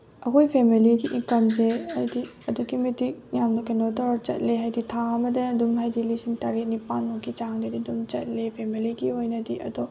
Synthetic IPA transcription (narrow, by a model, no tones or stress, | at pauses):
ɐkojpʰemiliɡiʔiŋkɐmz̬eɐjdiɐduɡimitik̚jamnɐkenotɔɾt͡ʃɐ̰t̚leɦajditʰaɐmɐdɐːdumɦajdilisiŋtaɾenipanmokːit͡ʃaŋdɐdidumt͡ʃɐt̚lepʰemiliɡiojnɐdiʔɐ̰dɔ